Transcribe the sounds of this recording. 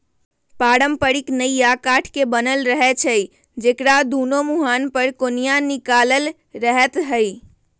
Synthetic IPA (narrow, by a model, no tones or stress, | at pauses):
paɾəmpəɾiknəjjakaʈʰkebənəlɾəɦɛt͡ʃʰəj | d͡ʒekɾad̪unomuɦanpəɾkonijanikaləl | ɾəɦɛt̪ɦəj